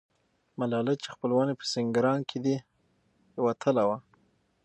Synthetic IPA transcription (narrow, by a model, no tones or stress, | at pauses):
malɑlat͡ʃexpəlwɑnepə̥sɪŋɡɾɑnkʰed̪i | wat̪ʰəlawa